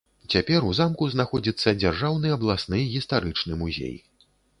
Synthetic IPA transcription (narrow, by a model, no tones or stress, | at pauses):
t͡sʲapʲɛɾuzamkuznaxɔd͡zʲit̪sːɐd͡zʲarʐawnɨjɐblˠasnɨjɣʲist̪aɾɨt͡ʂnɨmuzʲḛj